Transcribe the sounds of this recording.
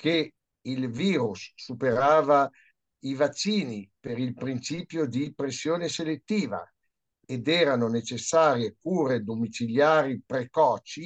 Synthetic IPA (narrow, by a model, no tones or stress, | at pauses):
kʰe | ilviːɾusːupeɾaːva | ivat͡ʃːiːnipeɾilpɾint͡ʃiːpjod̪ipɾesːjoːneselet̪ːiːva̰ | ed̪ɛːɾanonet͡ʃesːaːɾjekuːɾed̪omit͡ʃiljaːɾipɾekɔːt͡ʃi